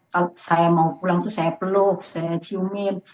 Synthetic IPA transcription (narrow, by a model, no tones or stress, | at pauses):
kasamakulaŋt̪usɛːploːk̚sɛt̪ʰiwmin